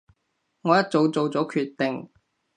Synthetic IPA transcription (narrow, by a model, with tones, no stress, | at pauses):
ŋɔː˨˧jɐ˥t̚t͡so˨˧wt͡so˨wt͡sɔː˨˥kʰyː˧t̚t̪ːe˨ŋ